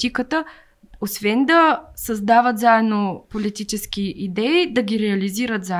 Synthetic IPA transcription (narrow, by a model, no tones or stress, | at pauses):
ikət̪ə | osvɛnd̪ɐsɐzd̪avət̪zaɛd̪nopolit̪it͡ʃɛskiʔid̪ɛid̪ɐɡʲiɾɛɐliziɾət̪za